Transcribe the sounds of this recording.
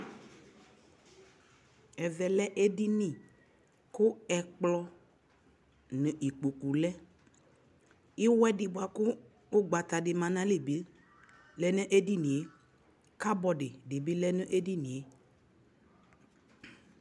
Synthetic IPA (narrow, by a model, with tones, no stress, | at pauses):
ɛ˨vɛ˨lɛ˦ʔe˦ɖi˦nĩ˨ | kʊ˦ɛ˨k͡plɔ˦ | nə̃˨ʔi˨k͡po˨ku˨lɛ˦ | i˦wɛ˦di˨bo˨a˨kʊ˦ | o˦ɡ͡ba˨t̪a˨ɖe˨mã˨nã˦le˨bi˦ | lɛ˦nẽ˦ʔe˦di˦nĩ˨e˦ | ka˦bɔ˨ɖe˨ɖe˨bi˦lɛ˦nə̃˦ʔe˦ɖi˦nĩ˨e˦